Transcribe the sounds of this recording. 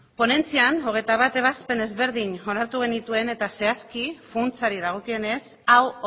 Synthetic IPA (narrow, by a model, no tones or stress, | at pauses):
po̞ne̞nt͡siano̞ɣ̞e̞jt̪aβ̞at̪e̞β̞aspe̞ne̞zβe̞ɾðiɲo̞naɾt̪uɣ̞e̞nit̪ue̞ne̞t̪ase̞askifunt͡saɾið̞aɣ̞o̞kie̞ne̞saw